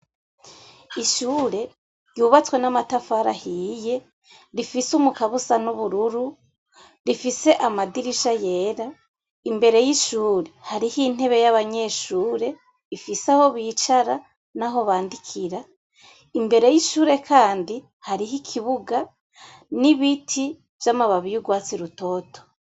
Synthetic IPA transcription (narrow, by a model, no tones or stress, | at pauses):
iʃuːɾe̞ | ɾjuːβat͡swe̞namatafaɾahiːje̞ | ɾifisumukaβusanuβuɾuɾu | ɾifise̞ʔamadiɾiʃaje̞ːɾa | imbe̞ɾe̞jiʃuːɾe̞haɾihin̥e̞βe̞jaβaɲe̞ʃuːɾe̞ | ifisaho̞βiːt͡ʃaɾa | naɦo̞βaːndikʰiɾa | imbe̞ɾe̞jiʃuːɾe̞kʰaːndi | haɾiɦikʰiβuɡa | niβitʰi | v̥jamaβaβijuɡwaːt͡siɾuto̞ːtʰo̥